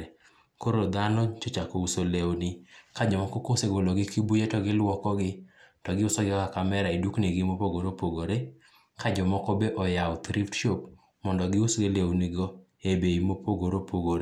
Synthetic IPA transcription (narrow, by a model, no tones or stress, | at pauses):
koɾod̪anɔt͡ʃot͡ʃakousolewnɪkad͡ʒɔmɔkokoseɡolɔɡɪkibujetɔɡɪlwɔkɔɡɪtɔɡɪʊsɔɡɪkakamɛɾaidukneɡɪmopoɡoɾopoɡoɾe | kad͡ʒɔmɔkɔbeʔɔjaʊt̪ɾiftʃop | mɔndɔɡɪusɡelewniɡɔ | ebeimopʰoɡoɾopoɡoɾe